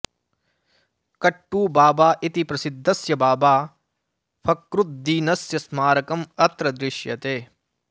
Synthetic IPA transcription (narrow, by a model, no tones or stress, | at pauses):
kɐʈːuːbaːbaːʔit̪ipɾɐsid̪ʱːɐsjɐbaːbaː | fʰɐkɾut̪̚d̪iːnɐsjɐsmaːɾɐkɐmɐt̪ɾɐd̪ɾɪʃjɐ̰t̪eː